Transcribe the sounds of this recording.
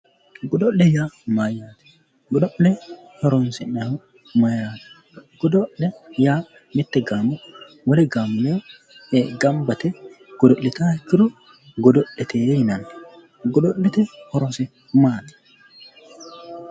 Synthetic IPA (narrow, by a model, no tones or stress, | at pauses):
ɡɔd̪ɔlːɛjaːmajaːt̪ɛ̥ | ɡɔdɔʔːɛ | hɔɾɔnsɛnɐhʊ | majaːt̪ɛ̥ | ɡ̥ɔd̪ɔʔɛjaː | mɪt̪ːɛɡaːmɔ | wɔlɛɡaːmɪnoː | ɡɐmbɐt̪ɛ | ɡ̥ɔd̪ɔʔːɪt̪aːhɛkːɪɾɔ | ɡɔd̪ɔʔːɛt̪eːjhɪnɐn | ɡɔdɔlːɛt̪ɛhɔɾɔnsɛ | maːt̪ɛ̥